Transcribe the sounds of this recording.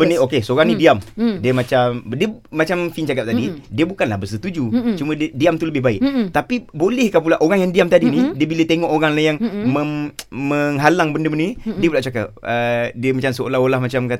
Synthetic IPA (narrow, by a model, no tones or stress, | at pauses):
bəniokesoɾaŋnĩdiamdiəmat͡ʃamdiəmat͡ʃamfint͡ʃakap̚t̪adidiəbukanlahbəsət̪ud͡ʒut͡ʃumə̃ddiamt̪uləbɪhbaɪʔt̪apibolɛhkapulaʔoɾaŋjaŋdiamt̪adinidiəbilət̪eŋɔʔoɾaŋlajaŋməŋməŋɦalaŋbəndəbənindiəpulaʔt͡ʃak̬a̰p̚ədiəmat͡ʃamsəolaholahmat͡ʃamka